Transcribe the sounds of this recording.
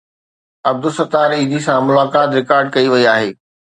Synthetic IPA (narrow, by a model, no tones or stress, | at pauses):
ɐb̚d̪ʊsɐt̪aːɾiːd̪isãmʊlaːkaːt̪ɾɪkaːɾɖ̚kɐiʋɐiaːɦeː